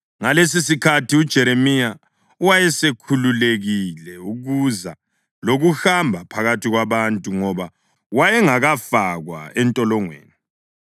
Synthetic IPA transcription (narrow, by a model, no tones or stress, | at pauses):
ŋales̬isikʰatʰiud̥ʒ̥ʱɛɾemija | uwajɛsekʰululeɣilɛuɣuza | loɣuxambʱapʰaɣatʰiɣwaβantʼuŋɔβa | wajɛŋaɣafaɣwa̰ɛntʼɔlɔŋwḛːni